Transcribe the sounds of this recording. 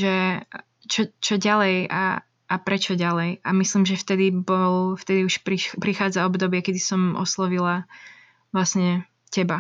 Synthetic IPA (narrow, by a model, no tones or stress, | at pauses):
ʒɛ | t͡ʃɔt͡ʃɔɟalɛja̰ | ʔːpɾɛt͡ʃɔɟalɛjamisliːmʒɛft̪ɛd̪ibɔlft̪ɛd̪iuʃpɾipɾixaːd͡zaɔbd̪ɔbɪɛkɛd̪isɔmɔ̰slɔʋila | ʋlasɲɛ | cɛba